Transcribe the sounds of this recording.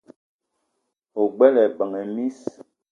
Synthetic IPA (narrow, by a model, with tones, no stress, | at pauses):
o˨ɡ͡bɛ˦lɛ˨bə˨ŋɛ˨mi˦s